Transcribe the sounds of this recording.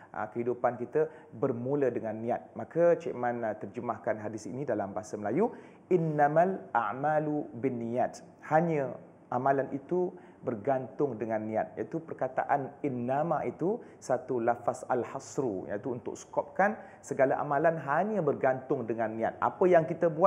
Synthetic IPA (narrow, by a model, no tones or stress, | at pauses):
ə̰kəɦidupankit̪ə | bərmulədəŋanːĩat̪̚makat͡ʃeʔmãnt̪ərd͡ʒəmahkanɦadɪsḭnidalambaɦasəməlaju | ʔɪnːamalʔa̰ʕmalubinːijat̪̚ | haɲə̃ | ʔamãlanʔit̪u | bərɡant̪ʊŋdəŋanːĩat̪̚ja̰it̪upərkat̪a̰ʔaninːamait̪u | sat̪ulafasa̰lhasɾuja̰it̪uunt̪ʊ̰k̚sə̥kɔp̚kan | səɡalaʔa̰mãlanɦaɲəbərɡant̪ʊŋdəŋãnːĩa̰t̪̚ʔa̰pəjaŋkit̪əbua